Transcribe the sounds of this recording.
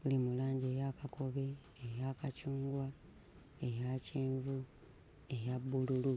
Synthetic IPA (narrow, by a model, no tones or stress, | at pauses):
βulimulaːɲɟe̞ːjakako̞βe̞ː | jaːkacuːŋɡwa | ejaceːɱvu | e̞jabːululu